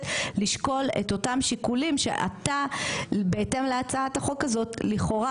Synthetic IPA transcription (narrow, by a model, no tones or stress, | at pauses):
liʃko̞lḛto̞tamʃikulimʃḛʔa̰tabeete̞mleat͡saataχo̞kːazo̞tliχo̞ʁa